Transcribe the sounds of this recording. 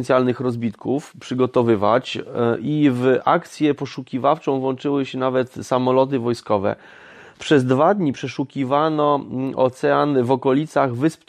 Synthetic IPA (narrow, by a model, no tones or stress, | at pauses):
nʲjalnɘxɾɔzbʲit̪kufpʂɘɡɔt̪ɔvɘva̰t͡ɕivʔa̰kt̪sʲjɛpɔʂukʲivaft͡ʂɔ̃w̃vwɔnt͡ʂɘwɘɕɛnavɛt̪samɔlɔt̪̬ɘvɔjskɔvɛ̰ | pʂɛzd̪vad̪ɲipʂɛʂukʲivanɔɔ̰t̪sɛanvɔkɔlʲit̪saɣvɘsp